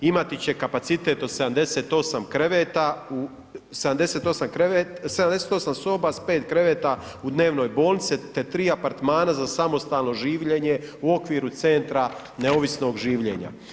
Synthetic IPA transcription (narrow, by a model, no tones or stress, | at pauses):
imat̪it͡ɕe̞kapat̪sit̪e̞t̪ose̞d̪amd̪e̞seːt̪o̞samkɾeʋeːt̪au | sed̪amd̪e̞se̞ːt̪o̞samkɾeet̪sed̪amd̪eset̪o̞samso̞ːbaspeːt̪kɾe̞ʋe̞ːt̪aud̪ne̞ːʋno̞jbo̞ːlnit̪sit̪e̞t̪ɾiːapaɾt̪maːnazasamo̞st̪aːlno̞ʒiːʋʎe̞ɲe̞uo̞kʋiːɾut̪se̞nt̪ɾa | ne̞o̞ʋisno̞ɡʒiːʋʎe̞̰ːɲa̰